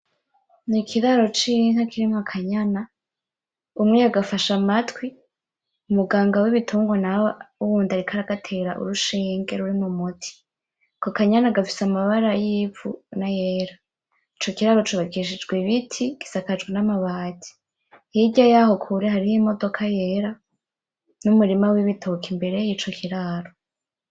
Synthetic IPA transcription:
nikʰiɾaɾo̞t͡ʃiŋhakiɾimŋakʰaɲana | umŋejaɡafaʃamatwi | umuɡaːŋɡawiβitʰuːŋɡonauwuːndaɾikʰaɾaɡatʰeɾaʔṵɾuʃiːŋɡe̞ɾuɾimumutʰi̥ | ko̞kaɲanaɡafi̥samaβaɾajiːfṵnajeːɾa | it͡ʃo̞kiɾaɾo̞t͡ʃuβaɡiʃ̬id͡ʒɡweβitʰiɡ̥i̥sakad͡ʒɡwenamaβaːti̥ | hiɟajaho̞kʰuɾeɦaɾihimo̞do̞kʰaje̞ːɾa | numuɾimawiβitʰokimbe̞ɾe̞jit͡ʃo̞kʰiɾaɾo̞

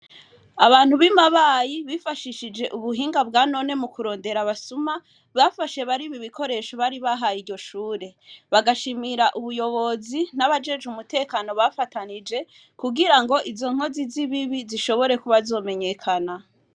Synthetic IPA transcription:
aβaːn̥huβimaβaːjiβifaʃiʃid͡ʒe̞ʔuβuɦiːŋɡab̚ɡaːno̞ne̞mukuɾo̞ːnde̞ɾaβasuma | βafaʃe̞βaɾiβiβiko̞ɾe̞ʃoβaɾiβaɦajiɾɟo̞ʃuːɾe̞βaɡaʃimiɾaʔuβujo̞βo̞zinaβad͡ʒe̞d͡ʒumute̞ːkaːno̞βafatanid͡ʒe̞ | kuɡiɾaŋɡo̞ʔizo̞ŋ̥o̞ziziβiβiziʃo̞βo̞ɾe̞kuβazo̞ːme̞ɲe̞kʰana

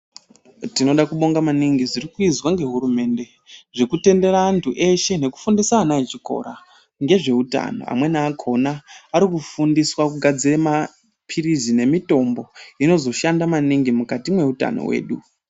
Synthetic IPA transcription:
tino̞ɗakuɓo̞ŋɡamaniŋɡizirikuizwaŋɡe̞ɦuɾume̞nde̞ | ʐekute̞nde̞ɾaːntʰuʔe̞ʃe̞ne̞ku̥fundisaːnaet͡ʃiko̞̰ɾa | ŋɡe̞ʐe̞uta̰no̰a̰mwe̞naːkʰo̞naːɾikufundiswakuɡʱad͡zirema | pʰiɾizine̞mito̞mbo̞ino̞zo̞ʃandamaniŋɡimukatimwe̞uta̰no̰we̞̰ːɗu

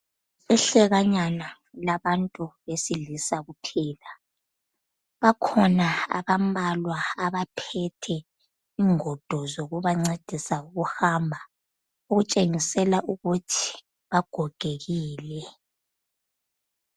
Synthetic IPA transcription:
iɬɛɣaɲana | laβantʼuβesilisaɣupʰiːla | βakʰɔnaa̰βambalwaaβapʰɛtʰɛ | iːŋɔd̥ʱɔzoɣuβaŋ͡ǀed̥ʱisauɣuhambʱa | uɣut͡ʃʼeŋisɛlaʔuɣutʰi̥ | βaɡ̥ʱɔɡ̥ʱeɣiːlɛ

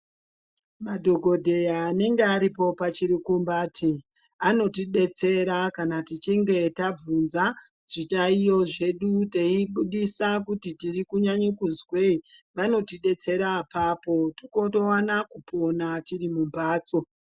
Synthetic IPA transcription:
madʱo̞ɡʱo̞dʱe̞jaːne̞ŋɡeaɾipo̞pat͡ʃiɾikumbaːti | ano̞tiɗe̞t͡se̞ɾakanatit͡ʃiŋɡe̞tab͡vunza | ʐ̥itaijo̞ʐe̞ɗuteiɓuɗisakutitirikuɲaɲukuzweʋano̞tiɗe̞t͡se̞ɾapaːpo̞tikoto̞wanakuponatirimumbaːt͡so̞

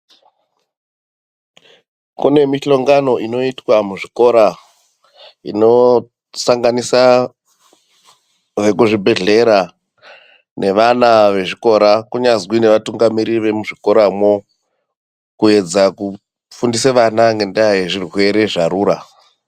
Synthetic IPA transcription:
kune̞miɬo̞ŋɡano̞ino̞itwamuʐiko̞ɾa | ḭno̞ | saŋɡanisa | ʋe̞kuʐibʱe̞ɮe̞ɾa | ne̞ʋanaʋe̞ʐiko̞ɾakuɲazwine̞ʋatuŋɡamiɾiʋe̞muʐiko̞ɾamo | kue̞d͡zaku | fundiseʋanaŋɡe̞ndaje̞ʐirwe̞ɾe̞ʐaɾuːɾa

